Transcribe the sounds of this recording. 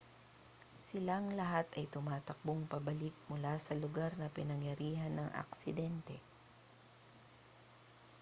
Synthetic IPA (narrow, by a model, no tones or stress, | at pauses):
sɪlaŋlɐɦat̪ʔɐjt̪ʊmaːt̪ɐk̚boŋpɐbɐlɪk̚mʊlasɐlʊɡaɾnɐpɪnɐŋjɐɾiːɦɐnːɐŋʔɐ̰k̚sɪd̪ɛnt̪ɛ